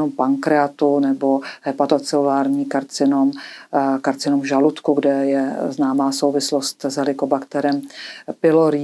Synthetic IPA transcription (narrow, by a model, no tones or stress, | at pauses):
ompaŋkɾɛat̪unɛboɦɛpat̪ot͡sɪlulaːɾɲiːkaɾt͡sɪnomkaɾt͡sɪnomvʒalut̪kuɡdɛjɛznaːmaːsowvɪslost̪zɦɛlɪkobakt̪ɛɾɛmpɪloɾi